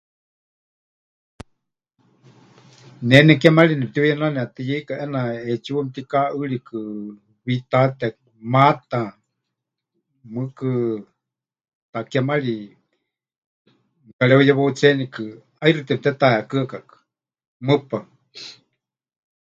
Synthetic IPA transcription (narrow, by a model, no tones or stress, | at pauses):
nɛnɛkamalinɛp̚t̪ijɛnanɛat̪ɨjikaʔɛnaɛt͡ʃiwamt̪ikaʔɨɺikʰɨ | βit̪at̪ɛ | mat̪a | mɨkɨ | t̪akamaɺi | kalɛujɛβout͡sɛnikɨ | airɨt̪ɛp̚t̪ɛt̪aɛakɨakakɨ̥ | mɨpa